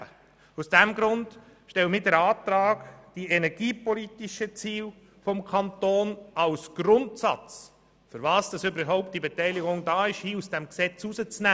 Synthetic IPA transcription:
ə | usd̥ɛmɡɾʊnd | ʃtɛwəmiːdɛɾɑːtɾɑːɡd̥iɛnɛɾɡiːpɔlitiʃət͡siːl | fɔmkʰɑntoːnɑlsɡ̥ɾʊntsɑ̰t͡s | fʏɾvɑːsd̥ɑsʏbəɾɦɔʊp̚t̚d̥ibetɛɪliɡʊŋdɑːɪʃhiːusd̥ɛmksɛt͡suzət͡snæ

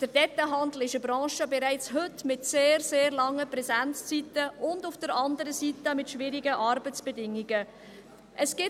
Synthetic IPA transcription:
d̥əɾdɛtːaɦɑndl̩ɪʃəbɾɑ̃ːʃəbɛɾæɪt͡sɦʏtmɪtseːrseːɾlɑŋːəpɾɛzænt͡st͡sitəʊndʊfd̥əɾɑndəɾəsitəmɪtʃvɪɾiɡəʔɑɾbət͡sb̥ɛdɪŋiɡə | ʔəsɡ̥ɪ

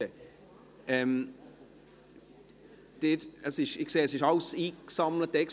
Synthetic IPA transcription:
ə | ɛm | d̥ɪɾəsɪʃɪkseːəsɪʃɑlsiːksɑmlət̚ːɛk

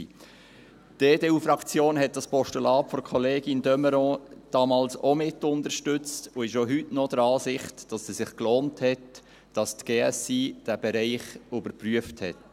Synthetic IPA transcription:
d̥eːdeːuːfrɑkt͡sjoːnɦɛt̚d̥ɑspɔʃtulɑːpfɔɾkʰχɔleːɡɪndœməɾɔ̃ːd̥ɑːmɑːlsomɪtːʊndəɾʃtʏt͡stʊɪʃoɦytnɔd̥əɾɑːsɪχtd̥ɑsɛsɪχkloːnthɛt | d̥ɑstɡ̥eːɛsiːd̥æbɛɾæɪχʏbəɾpryəfthɛt

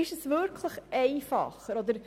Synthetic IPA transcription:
ɪʃəsvʏɾkʰləχɛɪfɑ̰χəɾɔd̪əɾ

